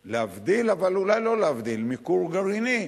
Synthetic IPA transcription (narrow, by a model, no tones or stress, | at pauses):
leavd̪ilavalulajlo̞leavd̪ilmikuʁɡaʁini